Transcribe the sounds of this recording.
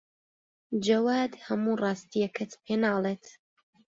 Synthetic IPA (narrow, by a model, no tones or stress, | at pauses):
d͡ʒɐwaːd̪hɐmuːrˤɑːst̪ijɐkʰɐt̪pʰeːnɑːlˠeːt̪